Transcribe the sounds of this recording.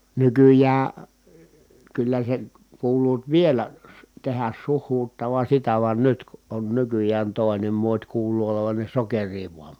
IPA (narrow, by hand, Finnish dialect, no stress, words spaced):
nykyjæː kylːæ sen̞ kuːluːt ʋielæ su tehæs suhˑuːtːɑʋɑn̞ sitæ ʋɑn nyt ku ʔon nykyjˑæːn toˑi̯nem muotʲ kuːluː oloʋɑn ne sokeriː ʋuɑm